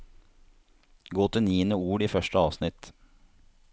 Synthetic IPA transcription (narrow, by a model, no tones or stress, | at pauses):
ɡoːt̪əniːənəuːɽiːfœʃʈəɑːʋsnɪt̪